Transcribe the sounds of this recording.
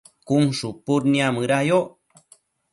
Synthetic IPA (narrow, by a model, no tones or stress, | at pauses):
kumʂupuɾniamɨɾajo